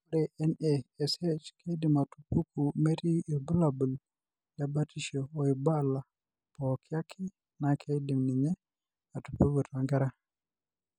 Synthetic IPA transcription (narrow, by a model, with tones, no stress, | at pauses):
ɾeʔɛnee˨se˦t͡ʃkʰe˦di˨ma˨tupu˦ku˨me˦ɾi˦i˨bu˦labu˨l | da˨batiʃo˨o˨iba˦la˨ | pokʰi˦a˦kʰi˦ | na˨kʰe˦di˨mni˨ɲɛ˦ | a˨tu̥˨pu˦ɡo˨tʰa˨ŋɡa˦ɾa˦